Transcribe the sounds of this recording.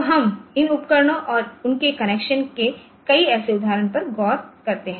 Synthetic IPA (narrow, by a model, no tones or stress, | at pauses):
ɦɐmɪnʊpkəɾɳ̃õʔɔːɾʊnkekɐneːkʃənke | kɐiɛːseʊd̪ʱːaːɾənpɐɾɡɔːɾkɐɾt̪eɦɛ̃ː